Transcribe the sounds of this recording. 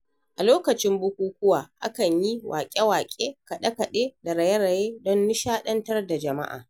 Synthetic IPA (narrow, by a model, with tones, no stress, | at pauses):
ʔa˨loː˦kɐ˨t͡ʃɪ˦mbʊ˦kʷuː˦kʷʊ˦waː˨ʔa̰˦kɐ˨ɲji˦wʔa̰ː˨kʲʼe˦waː˨kʲʼeː˦kɐ˨ɗɐ˦kɐ˨ɗeː˦da˨ɾɐ˨je˦ɽɐ˨jeː˦dɔ˦nːʊ˦ʃaː˦ɗɐ˦ntɐ˦rda˨d͡ʒɐ˨ma̰˦ʔa̰ː˨